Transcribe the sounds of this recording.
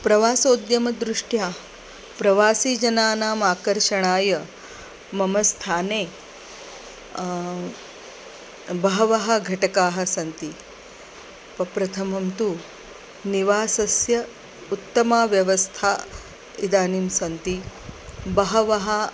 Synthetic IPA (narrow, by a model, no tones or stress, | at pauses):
pɾɐʋaːsoːd̪jɐmɐd̪ɾuʂʈjaː | pɾɐʋaːsiːd͡ʒɐnaːnaːmaːkɐɾʃɐɳ̃aːjɐ | mɐmɐst̪ʰaːneː | bɐɦɐʋɐɦɐ̆ɡʱɐʈɐkaːɦɐ̆sɐnt̪i | pɐpɾɐt̪ʰɐmɐmt̪u | niʋaːsɐsjɐ | ut̪ːɐmaːʋjɐʋɐst̪ʰaː | id̪aːnimsɐnt̪i | bɐɦɐʋɐɦa